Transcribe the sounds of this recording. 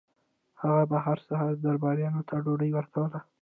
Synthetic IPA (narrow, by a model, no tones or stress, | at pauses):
haɣabaɦaɾsaɦɑɾd̪aɾbɑɾjɑnot̪ʰaɖoɖəjwəɾt̪ʰawəla